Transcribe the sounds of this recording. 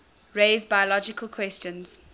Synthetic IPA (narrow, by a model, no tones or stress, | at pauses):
ɹeɪzbajəlɔd͡ʒɪkəlˠkʰw̥ɛst͡ʃə̃nz̥